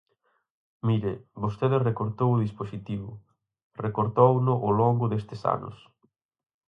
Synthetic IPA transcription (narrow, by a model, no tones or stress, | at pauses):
miɾebost̪eðɪrekoɾt̪owʊðisposit̪iβʊ̰ | rekoɾt̪ownʊʔʊloŋɡʊðest̪ɪsa̰nʊ̰s